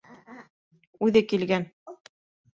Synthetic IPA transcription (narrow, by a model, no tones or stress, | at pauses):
ʉðɘkilɡæn